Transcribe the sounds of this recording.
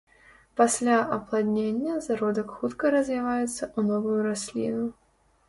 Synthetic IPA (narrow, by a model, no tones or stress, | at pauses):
pasʲlʲaʔɐplˠad̪ʲnʲenʲːɐzaɾɔd̪ɐkxut̪kɐɾɐzʲvʲivajɛt̪sːɐʔunɔvujuɾasʲlʲḭnu